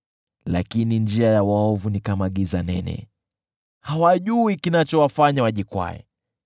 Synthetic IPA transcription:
la̰kinind͡ʒiajawaɔvunikamaɠizanɛ̰nɛ̰ | hawaʄuikinat͡ʃɔwafaɲawaʄikwa̰ɛ̰

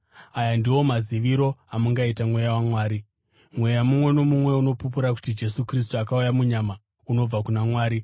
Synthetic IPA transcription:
ajandiwo̞maziʋiɾo̞amuŋɡaitamwe̞jawamwaːɾi | mwe̞jamumwe̞no̞mumwe̞uno̞pupuɾaku̥tid͡ʒe̞sukris̬tuakaujamuɲama | uno̞b͡vakunamwaːɾi

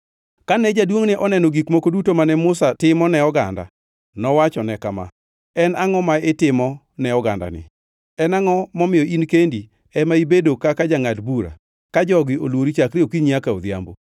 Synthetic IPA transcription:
kanɛd͡ʒadwoŋnɪʔɔnɛnɔɡikmokodutomanɛmʊsatɪmɔnɛɔɡa̰nda̰ | nɔwat͡ʃɔnɛkama̰ | ɛnaŋɔmaetɪmɔ | nɛɔɡa̰nda̰nɪ̰ | ɛnaŋɔmɔmɪjɔinkendi | ɛmaibedokakad͡ʒaŋadbuɾa̰ | kad͡ʒɔɡɪʔolwoɾit͡ʃakɾɪokiɲjakao̰d̪ja̰mbo

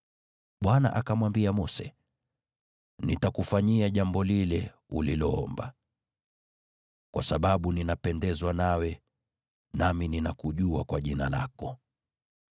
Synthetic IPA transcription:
ɓwana̰ʔakamwambiamɔsɛ | nitakufaɲiaʄambɔlilɛ | ṵlilɔɔmba | kwasaɓaɓuninapɛndɛzwanawɛ | namininakuʄuakwaʄinala̰kɔ

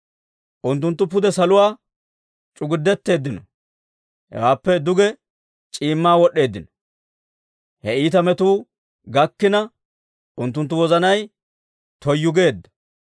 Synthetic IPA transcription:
ʔʊnt̪̬ːʊnt̪ːʊpʊd̪ɛsɐlʊwaː | t͡ʃʼʊɡɪd̪ːɛt̪ːe̞ːd̪ːɪnɔ | hɛ̰waːpːɛd̪ʊɡɛ | t͡ʃʼiːmːaːwɔɗːe̞ːd̪ːɪnɔ | hɛiːt̪ɐmɛt̪uː | ɡɐkːɪnɐ | ʔʊnt̪ːʊnt̪̬ːʊwɔzɐnɐj | t̪ɔjːʊɡe̞ːd̪ːɐ̥

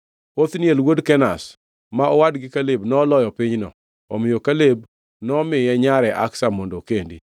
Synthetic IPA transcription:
ot̪njelwodkɛnas | maɔwadɡɪkalɪbnɔlɔjɔpɪɲnɔ̰ | ɔ̰mɪjokaleb | nɔmɪjɛɲaɾɛʔa̰ksamɔndokendḭ

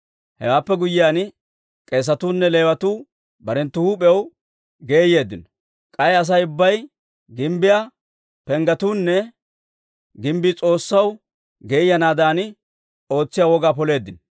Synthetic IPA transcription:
hɛ̰waːpːɛɡʊjːɪjaːn | kʼe̞ːs̬ɐt̪uːnːɛle̞ːwɐt̪uː | bɐɾɛnt̪ːʊhuːpʼɛɛw | ɡe̞ːje̞ːd̪ːɪnɔ | kʼɐjɐs̬ɐjʊbːɐj | ɡɪmbɪja | pɛŋɡɐt̪uːnːɛ | ɡɪmbɪt͡sʼo̞ːsːɐw | ɡe̞ːjɐnaːd̪aːn | o̞ːt͡sːɪjaːwɔɡaːpɔle̞ːd̪ːɪn

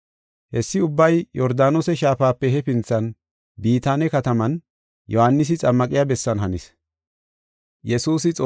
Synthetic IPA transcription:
hɛsːɪʊbːɐjjɔɾd̪aːnosɛʃaːfaːpːɛhɛpɪnt͡sːɐn | biːt̪aːnɛkɐt̪ɐmɐn | jɔhanːɪs̬ɪt͡sʼɐmːɐkʼɪjabɛsːɐnɦɐnɪs | jɛsuːsɪt͡sʼo

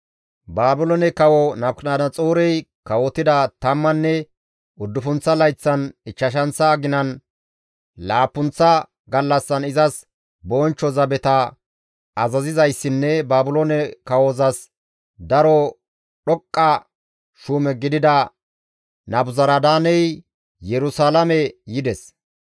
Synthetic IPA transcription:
baːbʊlɔnɛkɐwɔnɐbknaːd̪ɐt͡sʼoːɾɛjkɐwɔt̪ɪd̪ɐt̪ɐmːɐnːɛ | ʊd̪ːʊfʊnt͡sːɐlɐjt͡sːɐnɪt͡ʃːɐʃ̬ɐnt͡sːɐɡɪnɐn | laːpːʊnt͡sːɐ | ɡɐlːɐsːɐnɪzɐs | boːnt͡ʃːɔzɐbɛt̪ɐ | ɐzɐzɪzɐjsːɪnːɛbaːbʊlonɛkɐwozɐs | d̪ɐɾɔ | ɗɔkʼːɐ | ʃuːmɛɡɪd̪ɪd̪ɐ | nɐbʊzɐɾɐd̪aːnɛj | jɛɾʊsaːlɐmɛjɪd̪ɛs

